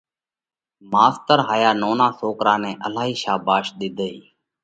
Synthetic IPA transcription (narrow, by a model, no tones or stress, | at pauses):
maːst̪əɾɦaːjaːnoːnãːsoːkɾãːnɛ̃ːʔəlaːɦiːʃaːbaːʃɗ̪ɪd̪ʱəiː